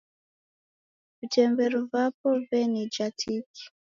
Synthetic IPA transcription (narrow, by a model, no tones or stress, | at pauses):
vitɛmbɛɾuvapɔvɛnid͡ʒatʰiki̥